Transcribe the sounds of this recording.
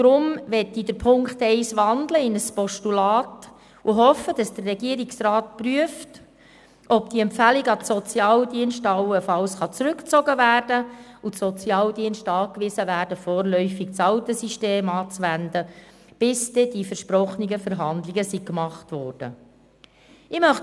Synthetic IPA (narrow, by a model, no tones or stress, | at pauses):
d̥ɾʊmʋɛtːidəɾpʰʊŋkχtɛɪsʋɑndləɪnəspɔʃtulɑːt | uɦɔfːəd̥ɑsd̥ərːɛɡ̥iəɾiksrɑːt̚pryəft | ʔɔbd̥iɛmpfæliɡəɑtsɔt͡sjɑːldiənʃtɑwəfɑwsχɑt͡sɾʉkt͡sɔɡəvæːrdəusɔt͡sjɑːldiənʃtɑːkʋɪsəvæːɾd̥əfɔːɾlœʏfik̚t͡sɑwt̪əsiʃteːmɑːt͡sʋændə | b̥ɪsd̥ɛd̥ifəɾʃprɔχniɡəfəɾɦɑnd̪lɪɡəsikmɑχtʋɔːrd̥ə̰ | ɪmœχ